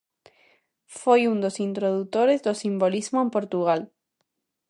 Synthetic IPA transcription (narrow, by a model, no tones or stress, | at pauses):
fojund̪osint̪ɾoðut̪oɾezðosimbolizmoempoɾt̪uɣ̞al